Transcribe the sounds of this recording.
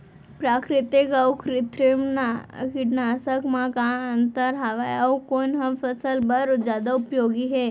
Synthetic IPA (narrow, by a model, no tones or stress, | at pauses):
pɾaːkɾɪt̪ɪkaʊkɾɪt̪ɾɪmnakɪʈnaːsəkmãkãɐnt̪əɾɦaʋajaokoːnɦɐ̃mfɐsəlbɐɾd͡ʒjaːd̪aʊpjoːɡiɦɛː